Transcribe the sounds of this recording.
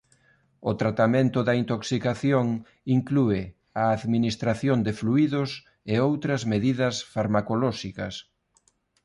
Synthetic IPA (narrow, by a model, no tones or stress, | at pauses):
ʊt̪ɾat̪amẽnt̪ʊðɐint̪oksikaθjoŋ | iŋkluɪ | ɐːðminist̪ɾaθjond̪ɪfluiðʊs | eowt̪ɾɐzmeðiðɐsfaɾmakolɔʃikɐs